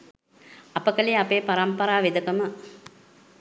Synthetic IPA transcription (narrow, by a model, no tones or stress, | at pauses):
ɐpəkəliapeːpaɾɐmpɐɾaːʋed̪əkəmə